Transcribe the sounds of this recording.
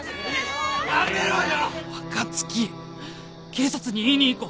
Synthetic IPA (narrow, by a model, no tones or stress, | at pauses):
βakat͡sɨ̥kʲi | kʰe̞ːsat͡sɨɲ̟iiɲ̟iːko